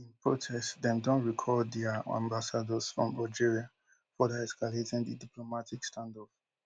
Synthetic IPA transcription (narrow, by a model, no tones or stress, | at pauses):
ĩnpʰɹotʰɛstdɛ̃ndɔ̃nɹikʰɔdɛaã̰mbasadɔsfɹɔ̰̃mad͡ʒiɹia | fɔdɛɛskaletɪ̃ŋdidiplomatʰikstʰãndɔf